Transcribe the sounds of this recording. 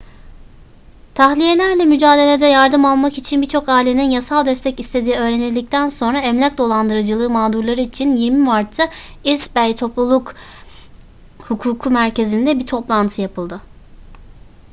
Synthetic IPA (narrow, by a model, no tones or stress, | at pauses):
t̪ʰaxlʲije̞lʲæɾlʲɛmyd͡ʒaːd̪e̞lʲe̞d̪ɛjaɾd̪ɯmalˠmakit͡ʃʰinbiɾt͡ʃʰo̞kaːilʲe̞ninjasalˠd̪ɛst̪ʰɛcist̪ʰe̞d̪iːø̞ːɾenilʲd̪ic̚t̪ʰænso̞nɾaɛmlʲæc̚d̪o̞lˠand̪ɯɾad͡ʒɯlˠɯːmaːd̪uɾlˠaɾɯit͡ʃʰinjiɾmimaɾt̪ʰːaisbɛjt̪ʰo̞plˠulˠuk | hukʰuːkʰumæɾce̞zind̪ɛbiɾt̪ʰo̞plˠant̪ʰɯjapʰɯlˠd̪ɯ